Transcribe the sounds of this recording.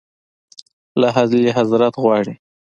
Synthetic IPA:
laɦazleɦazɾat̪ɣwɑɽi

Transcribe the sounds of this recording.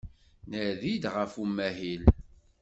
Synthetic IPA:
nəɾðid̪ʁəfumːæɦil

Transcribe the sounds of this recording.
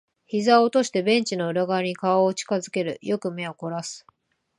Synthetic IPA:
çizaot̪o̞ɕi̥t̪e̞bẽ̞ɲ̟t͡ɕino̞ɯ̟ɾaɡaeɲ̟ikaaot͡ɕi̥kazɨke̞ɾɯ̟̰jo̞kɯ̟me̞oko̞ɾasɨ̥

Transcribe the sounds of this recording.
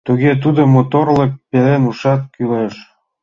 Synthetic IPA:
t̪uɣet̪ud̪omot̪orlə̆k̚pelenuʃɑt̪̚kyleʃ

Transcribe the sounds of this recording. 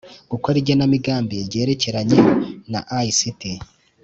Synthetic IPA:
ɡ̥ukoɾiɾɟonamiɡaːmbeɟe̞ːɾe̞ce̞ɾaɲena̰ʔaisiti

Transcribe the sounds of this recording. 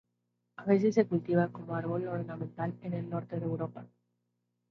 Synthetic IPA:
aβe̞s̬es̬ːe̞kult̪iβ̞ako̞moaɾβo̞loɾnamẽnt̪alene̞lno̞ɾt̪eðewɾo̞pa

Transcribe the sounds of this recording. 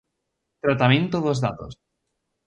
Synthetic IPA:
t̪ɾat̪amẽnt̪oðozða̰t̪o̰s

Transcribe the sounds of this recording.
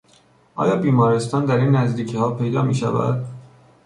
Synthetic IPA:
ʔɒ̰ːjɒːbiːmɒːɾest̪ɒːnd̪æɾiːnːæzd̪iːcʰihɒːpʰe̞jd̪ɒːmiːʃævæ̰d̪̥

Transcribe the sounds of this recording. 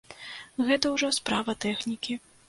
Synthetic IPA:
ɣɛt̪ɐwʐɔspɾavɐt̪ɛxnʲikʲi

